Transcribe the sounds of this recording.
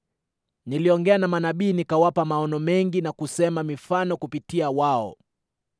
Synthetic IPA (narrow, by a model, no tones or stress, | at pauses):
niliɔŋɡɛanamanaɓiːnikawapamaɔnɔmɛŋɡinakusɛmamifanɔkupitiawaɔ̰